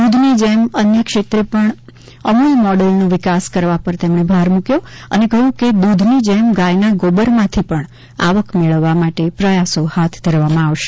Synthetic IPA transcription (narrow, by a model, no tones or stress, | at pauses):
ud̪ʱnid͡ʒemənjəkʃet̪ɾepəɳ | əmulmɔɖelnõʋɪkaskəɾʋapəɾt̪emɳ̃ebʱaɾmũkjoə̰nekəjũked̪ud̪ʱnid͡ʒemɡajnaɡobəɾmãt̪ʰipəɳ | a̰ʋəkmeɭəʋːamaʈepɾəjasohat̪ʰd̪ʱəɾʋamãaʋʃe̥